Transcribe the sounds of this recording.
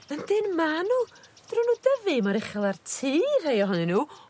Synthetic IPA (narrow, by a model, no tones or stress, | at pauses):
əndɪnmanu | d̥runuːdəvɨmaɾɪχɛlˠartʰiːr̥hejɔɦɔnɨnuː